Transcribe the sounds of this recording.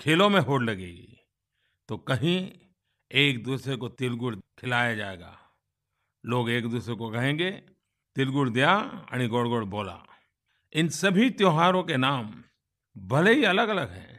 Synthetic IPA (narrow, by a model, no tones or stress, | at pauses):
kʰeːlõmẽɦoːɽlɐɡḛːɡḭ | t̪okɐɦĩ | eːk̚d̪uːsɾekot̪ɪlɡʊɽkʰɪlaːjad͡ʒaːḛːɡa̰ː | loːɡeːkd̪uːsɾekokɐɦẽːɡe | t̪ɪlɡʊɽd̪ijaɐ̰ñĩɡoːɽɡoːɽboːla̰ː | ɪnsɐbʱit̪joːɦaːɾõkenaːm | bɐleɦiɐləɡɐləɡɦɛ̰̃ː